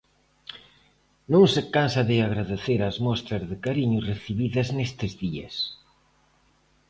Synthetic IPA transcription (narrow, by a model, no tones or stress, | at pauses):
nõŋsɪkansɐðɪaɣɾaðeθeɾazmɔst̪ɾɐzðɪkaɾiɲʊreθiβiðɐznest̪ɪzðiɐ̰s